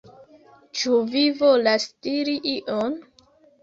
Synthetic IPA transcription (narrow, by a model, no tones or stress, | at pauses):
t͡ʃuvivolastiɾiʔiʔon